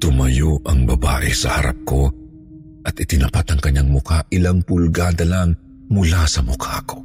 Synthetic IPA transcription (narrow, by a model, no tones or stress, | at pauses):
t̪ʊmɐjoʔɐŋbɐba̰ːʔɛsɐhɐɾa̰p̚ko̞ | ʔɐt̪ɪt̪ɪnɐpat̪ɐŋkɐɲːaŋmʊkaʔɪlaŋpʊlɡad̪ɐlaŋ | mʊlasɐmʊkʰako̞̥